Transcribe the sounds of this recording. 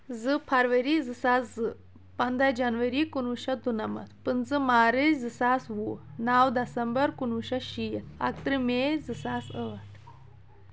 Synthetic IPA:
zɨpʰɐɾʋɐɾizɨsaszɨ | pɐnd̪ʱad͡ʒɐnʋɐɾikunuʃɐd̪unɐmɐ̰t̪pɨnzɨmaːɾɨd͡zɨsasʋunawd̪ɐsɐmbəɾkunuɕɐʃijɐ̰k̚t̪ɾɨmed͡zɨsaːsət̪

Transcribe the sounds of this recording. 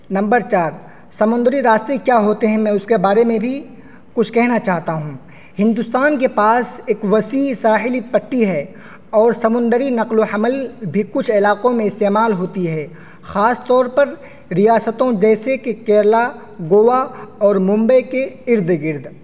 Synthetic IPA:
nɐ̃mbəɾt͡ʃaːɾ | sɐmʊ̃nd̪əɾiɾaːst̪ekjaːɦoːt̪eɦɛ̃mɛ̃ːʊskebaːɾemẽbʱi | kʊt͡ʃʰkɛɦnat͡ʃaːɦt̪aɦũ | hɪ̃nd̪ʊst̪aːnkepaːseːkʋɐsiːsaːɦɪlipɐʈːiɦɛ | ɔːɾsɐmʊ̃nd̪əɾinɐqloħɐməlbʱikʊt͡ʃʰɪlaːqõmẽɪst̪eːmaːlɦoːt̪iɦɛː | xaːst̪ɔːɾpɐɾ | ɾijaːsət̪õd͡ʒɛːsekekɛːɾla | ɡoːʋaɔːɾmʊ̃mbəkeɪɾd̪ɡɪɾd̪ʱ

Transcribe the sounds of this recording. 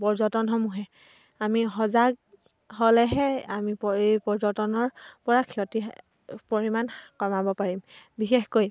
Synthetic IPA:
pɔɹzɔtɔnɦɔmuɦɛ | amiɦɔzaɡ | ɦolɛɦɛamipɔepɔɹzɔtɔnɔɹpɔɹakʰiɔti | poɹimankɔmabɔpaɹimbixexkoj

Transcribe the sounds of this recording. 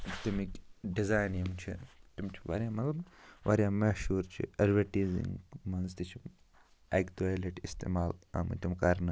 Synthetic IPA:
t̪imikɖizaːjnɐmt͡ʃʰḭt̪imt͡ʃʰiʋa̰ɾʲjãːmɐt̪lɐbʋaɾjaːmɐʃuːɾt͡ʃʰḭɐɾʋɐʈiːzḭŋɡmɐnzt̪it͡ʃʰi | ekt̪ualiʈist̪ḛːmaːlɐ̰m̰t̪imkɐɾnɨ

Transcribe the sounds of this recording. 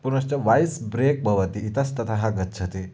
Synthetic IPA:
puɾəst͡ɕaʋajsbɾek̚bʱɐʋət̪iːt̪ast̪ət̪ʰaɦaɡətːsʰət̪e

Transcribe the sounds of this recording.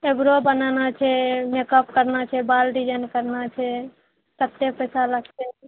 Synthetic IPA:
ebɾobənanat͡ʃʰɛmekəp̚kəɾnat͡ʃʰɛbalɾid͡ʒənkəɾnat͡ʃʰɛ | sət̪ːepəjsaləɡt̪e

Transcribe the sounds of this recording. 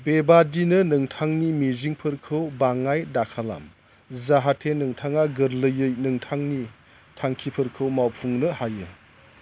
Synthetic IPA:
bebadinɯnɯŋtʰaŋnimiziŋpʰɯɾkʰɯwbaŋajdakʰala̰m | zaɦatʰenɯŋtʰaŋaɡɯɾlɯjɯjnɯŋtʰaŋni | tʰaŋkʰipʰɯɾkʰɯwmawpʰuŋnɯhajɯ

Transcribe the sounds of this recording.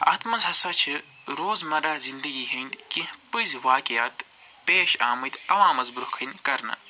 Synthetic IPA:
ɐ̰t̪ʰmɐzɦɐsɐt͡ʃʰi | ɾoːzmɐɾazind̪ɐɡiːɦɐnd̪kipɨzwaːkijaːt̪ | peːʃa̰ːmɐd̪ɐʋãːmɐzbɾuhkʰɐnkɐɾnɐ̰

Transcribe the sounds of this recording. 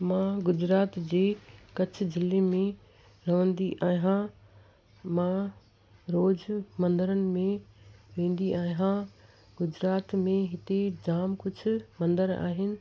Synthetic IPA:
mãɡʊd͡ʑɾaːt̪d͡ʑeːkɐt͡ɕʰʊd͡ʑɪlemẽ | ɾɐʋə̃nd̪iʔaːɦã | mã | ɾoːd͡ʑmɐ̃nd̪əɾənɪ̆mẽʋẽːn̆d̪iʔaːɦã | ɡʊd͡ʑɾaːt̪mẽɦɪt̪ed͡ʑaːmkʊt͡ɕʰʊ̆mɐ̃nd̪əɾa̰ːɦɪnɪ̆

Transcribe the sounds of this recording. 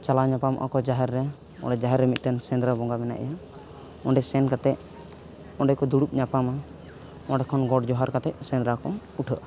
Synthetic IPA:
t͡ʃalaɲapamʔa̰kɔd͡ʒaɦɛɾːɛ | ɔ̰ɳɖɛd͡ʒaɦɛɾːɛmit̪̚ˀtɛnsɛnd̪ɾabɔŋɡamɛna̰ʔɛ̰ja | ɔɳɖɛsɛnkat̪ɛʔ̚ | ɔ̃ɳɖɛkɔd̪uɽup̚ɲapama | ɔɖɛkʰɔnɡɔɖd͡ʒɔɦaɾkat̪ɛʔsɛ̃nd̪ɾakɔ | uʈʰəʔa

